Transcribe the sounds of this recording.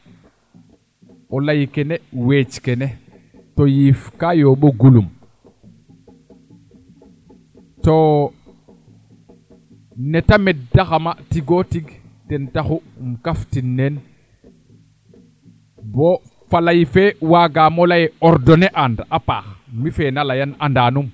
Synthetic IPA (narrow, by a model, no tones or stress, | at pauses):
ʔɔlajikɛnɛwet͡ʃkɛnɛ | tojifkajoɓoɡulum | to | nɛtamɛt̚daxamatiɡotiɡ | tɛntaxumkaftinːen | bo | falajifewaɡaːmɔlajɛɔɾdɔnɛʔandapa̰ːxmifɛnalajanandaːnum